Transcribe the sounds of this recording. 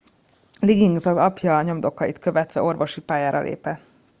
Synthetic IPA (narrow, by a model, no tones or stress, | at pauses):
liɡiŋɡzɒzɒpjɒɲo̞md̪o̞kːɒit̪kø̞vɛt̪ʋɛo̞rvo̞ʃipaːjaːɾɒ̰lʔḛːpɛ